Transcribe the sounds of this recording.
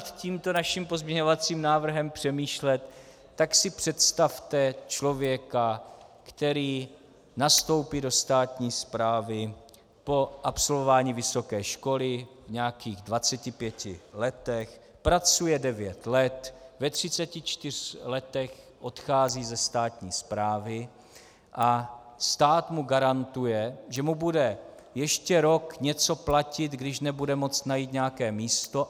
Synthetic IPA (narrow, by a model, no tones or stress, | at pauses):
t̪ciːmt̪o̞naʃimpo̞zmɲɛɲovat͡siːmnaːvr̩ɦɛmpr̥ɛmiːʃlɛt̪ː | aksɪpr̥ɛt̪st̪aft̪ɛt͡ʃlo̞vjɛkakt̪ɛɾiː | nast̪o̞wpido̞st̪aːt̪ɲiːspɾaːvɪ | po̞ʔapso̞lvovaːɲiːvɪso̞kɛːʃko̞lɪvɲɛakiːɣdvat͡sɛcɪpjɛcɪlɛt̪ɛx | pɾat͡sujɛdɛvjɛt̪lɛt̪vɛt̪r̝̥ɪt͡sɛcɪt͡ʃt̪ɪr̥lɛt̪ɛx | ʔo̞t̪xaːziːzɛst̪aːt̪ɲiːspɾaːvɪ | ʔast̪aːt̪muɡaɾant̪ujɛʒɛmubudɛ | jɛʃcɛɾo̞kɲɛt͡so̞placɪt̪ɡdɪʃnɛbudɛmot͡snajiːt̪ɲɛjakɛːmiːst̪o̞